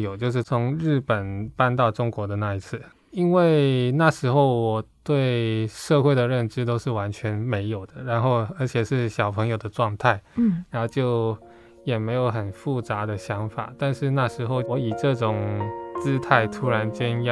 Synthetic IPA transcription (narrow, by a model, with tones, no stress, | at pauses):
jo˨˩ʊt͡ɕjo˥˧ʊʂ̬ɻ̩˥˩t͡sʰʊ˧˥ŋɻɻ̩˥˩pə˨˩npa˥˧nt̪ɑ˥˩ʊʈ͡ʂʊ˥ŋkwɔ˧˥d̪ə˨na˥˧i˧˥t͡sʰɹ̩˥˩ | i˥nwe˥˩ɪna˥˩ʂɻ̩˧˥xo˥˩ʊwɔ˨˩t̪we˥˩ɪʂɤ˥˧xwe˥˩ɪd̪ə˩ɻə˥˩nʈ͡ʂɻ̩˥t̪̬o˥ʊʂɻ̩˥˩wa˧˥nt͡ɕʰɥɛ˧˥nme˧˥ɪjo˨˩ʊd̪ə˦ɻa˧˥nxo˥˩ʊə˞˧˥t͡ɕʰjɛ˨˩ʂɻ̩˥˩ɕjɑ˨˩ʊpʰə˧˥ŋjo˨˩ʊd̪ə˦ʈ͡ʂwɑ˥˧ŋt̪ʰa˥˩ɪɻa˧˥no˥˧ʊt͡ɕjo˥˩ʊ | jɛ˨˩me˧˥ɪjo˨˧˥ʊxə˨˩nfu˥˩t͡sa˧˥d̪ə˨ɕjɑ˧˥ŋfa̰˨˩t̪a˥˧nʂɻ̩˥˧na˥˩ʂɻ̩˧˥xo˥˧ʊwɔ˧˦˥i˨˩ʈ͡ʂɤ˥˧ʈ͡ʂʊ˨˩ŋt͡sɹ̩˥t̪ʰa˥˩ɪt̪ʰu˥ɻa˧˥nt͡ɕjɛ˥njɑ˥˩